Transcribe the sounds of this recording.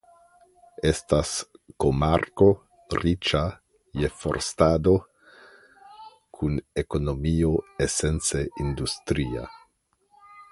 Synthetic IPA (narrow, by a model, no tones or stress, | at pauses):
estaskomaɾko̞ | rit͡ʃa | jefo̰ɾstad̪o̞ | kʰunekonomioesent͡seind̪ust̪ɾia̰